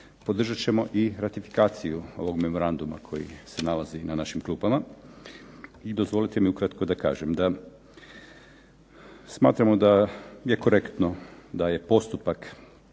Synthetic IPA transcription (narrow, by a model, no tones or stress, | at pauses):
po̞d̪r̩ʒat͡ɕe̞mo̞ʔiɾat̪ifi̥kaːt̪sijuo̞̰ʋo̞ɡme̞mo̞ɾand̪uma̰kʰo̞̰jḭse̞nalˠazinanaʃimklˠuːpama | id̪o̞zʋo̞lit̪emiukɾat̪ko̞d̪aka̰ːʒemd̪a | sma̰ːt̪ɾamo̞d̪aje̞ko̞ɾe̞kt̪no̞d̪aje̞po̞st̪upak